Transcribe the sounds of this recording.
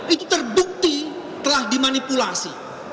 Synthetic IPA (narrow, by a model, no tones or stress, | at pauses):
ʔit̪ut̪ərbuk̚t̪i | t̪əlahdimanipulasi